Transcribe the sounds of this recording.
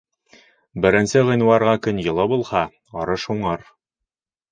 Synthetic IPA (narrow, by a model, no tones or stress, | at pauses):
bɘ̆ɾɘ̆nsɘʁɤ̆jnwɑɾʁɑkɵnjɤ̆lˠɤbulˠhɑ | ɒɾɤʃuɴɤɾ